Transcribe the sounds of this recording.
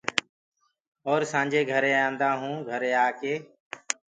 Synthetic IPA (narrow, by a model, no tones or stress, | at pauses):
ɔːɾsãːɲd͡ʒeːɡʱəɾeːãːnd̪aːɦũːɡʱəɾeːaːkeː